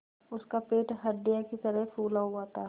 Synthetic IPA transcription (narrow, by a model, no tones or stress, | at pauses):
ʊskapeːʈɦɐɖːijakit̪əɾəɦpuːlauaːt̪aː